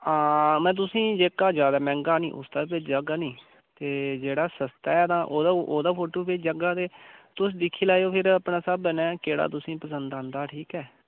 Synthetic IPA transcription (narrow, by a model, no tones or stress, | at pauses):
ãːmɛ̃ːt̪̬ʊsĩːd͡ʒeːkaːd͡ʒjaːd̪aːmɛ̃ːŋɡaːnḭ̃ːʔʊ̰sd̪aːpɪt͡ʃd͡ʒəɡaːnĩː | t̪eːd͡ʒeːɽaːsəst̪aːɛːt̪ãːʔoːd̪aːʔoːd̪aːpʰoːʈoːpɪt͡ʃd͡ʒəɡaːd̪eːt̪ʊs̬d̪ɪkʰːiːlaːjoːpʰɪɾəpnãːsəbənɛ̃ːkeːɽa̰ːt̪ʊsĩːpəsənd̪ãːnd̪aːʈʰiːkɛː